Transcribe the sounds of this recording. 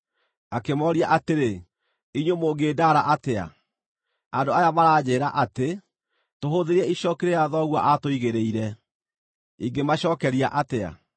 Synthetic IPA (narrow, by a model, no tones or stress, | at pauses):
akemɔɾiaʔateɾe | iɲwomoːɡeːdaɾaʔatea̰ | andoajamaɾaːd͡ʑeːɾaʔate | toɦoðeɾiɛiʃɔːkeɾejaðɔɣwaʔatoiɣeɾeiɾɛ | iŋɡemaɕɔːkɛɾia̰ʔatea̰